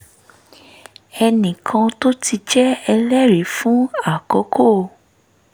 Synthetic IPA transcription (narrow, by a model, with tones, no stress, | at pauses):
ɛ˧nĩ˨kʰã˧to˦ti˧d͡ʒɛ˦ɛ˧lɛ˦ɾe˨˦fũ˨˦a˦˨kɔ˨˦kʰo˦˨